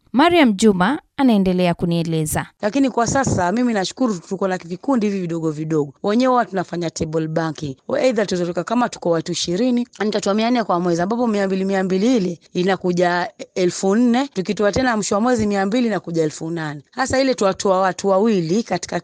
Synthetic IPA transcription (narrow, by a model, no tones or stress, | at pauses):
maɾiam̩d͡ʒumaanaɛndɛlɛakuniɛlɛzalakinikwasasamiminaʃu̥kuɾutukɔnavikundihiviviɗɔɠɔviɗɔɠɔwɛɲɛwatunafaɲatɛɓɔlɓaŋkiŋɛiðatuizɔtɔkakamatu̥kɔwatuiʃiɾininitatɔamian̩nːɛkwamwɛziambapɔmiambilimiambiliilɛinakuʄaɛlfun̩nɛtukitɔatɛnam̩ʃɔwamwɛzimiambiliːnakuʄaɛlfunanɛhasailɛtuwatɔawatʰuwawilikati̥ka